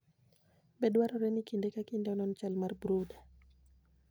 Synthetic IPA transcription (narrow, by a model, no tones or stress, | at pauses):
bɛdwaɾɔɾɛnikindɛkakindɛɔnɔnt͡ʃalmarbɾoda